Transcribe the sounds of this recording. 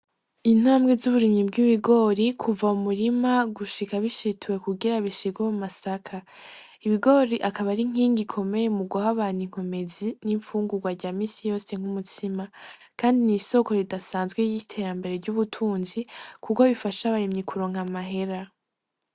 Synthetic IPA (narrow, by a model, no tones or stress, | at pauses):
in̥haːmɡezuβuɾimɲibɡiβiɡo̞ːɾikʰuvaumuɾimaɡuʃikaβiʃitʰuwe̞kuɡiɾaβiʃiɡweumasakʰa | iβiɡo̞ːɾiʔakaβaɾiŋ̥iːŋɡikʰo̞me̞je̞muɡuɦaβaːniŋ̥o̞me̞ziniɱfuːŋɡuɡwaɾɟaːmiːsijo̞ːse̞ŋ̥humutʰima | kaːndiniːso̞ko̞ɾidasaːnzɡwe̞jitʰe̞ːɾambe̞ɾe̞ɾɟuβutʰuːnzikʰukoβifaʃaβaɾimɲikʰuɾo̞ːŋamaɦe̞ɾa